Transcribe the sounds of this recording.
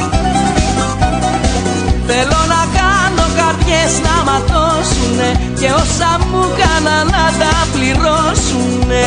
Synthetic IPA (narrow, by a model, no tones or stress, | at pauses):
θelonakanokaɾðjeznamat̪o | suneceosamːukananadapliɾosu | ne